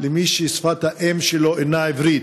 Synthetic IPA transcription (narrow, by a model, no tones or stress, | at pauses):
lemiʃesfat̪aʔemʃeloʔenaevɾit̪